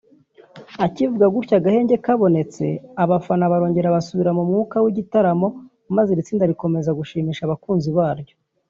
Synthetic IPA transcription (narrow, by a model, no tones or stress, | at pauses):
acivuɡaɡuɾcaɡahe̞ːɲɟe̞kaβo̞ne̞t͡se̞aβafanaβaɾo̞ːɲɟe̞ɾaβasuβiɾamumŋuːkawiɟitaɾamo̞ | mazeɾit͡siːndaɾiko̞me̞zaɡuʃiːmiːʃaβakuːnziβaːɾɟo̞